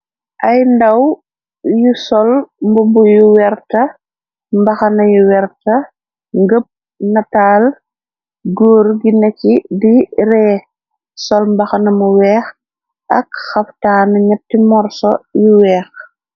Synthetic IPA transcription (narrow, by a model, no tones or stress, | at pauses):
ʔɐjndɐw | jusɔlmbumbujuwɛrtɐ | mbɐxɐnɐjuwɛrtɐ | ŋɡəp̚ | nɐtaːl | ɡoːɾɡinɐcidiɾɛː | sɔlmbɐxɐnɐmuwɛːx | ʔɐkxɐftaːnɐɲɐp̚timɔɾsɔ̰juwɛːx